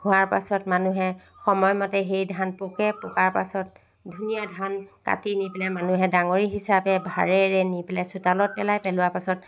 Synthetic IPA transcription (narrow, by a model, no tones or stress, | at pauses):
ɡʱʊ̃aɹpasɔtmanuɦɛ | xɔmɔjmɔtɛxejdʱanpɔkɛpɔkaɹpa̰sɔt̚ | dʱunijadʱanka̰tinipɛlɛmanuɦɛdaŋoɹiɦisapɛbʱaɹɛɹɛnipɛlɛjsutalɔt̚pɛlajpɛlʊwapasɔt̚